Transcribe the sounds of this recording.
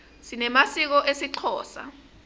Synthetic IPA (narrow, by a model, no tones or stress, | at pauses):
sinɛmasik̬ɔʔesiǀʰɔːsa̰